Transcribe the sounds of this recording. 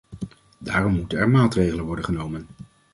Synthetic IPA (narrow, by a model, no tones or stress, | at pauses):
daːrɔmːutənɛɹmaːtrejχələnʋɔɹdəχənowmən